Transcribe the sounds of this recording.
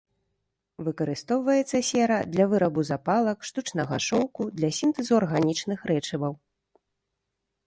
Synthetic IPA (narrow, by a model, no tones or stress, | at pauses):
vɨkɐɾɨst̪ɔwvɐjɛt̪sːɐsʲɛɾɐd̪lʲɐvɨɾɐbuzapalˠɐkʂt̪ut͡ʂnɐɣaʂɔwkud̪lʲɐsʲint̪ɨzuarɣanʲit͡ʂnɨxɾɛt͡ʂɛbɐw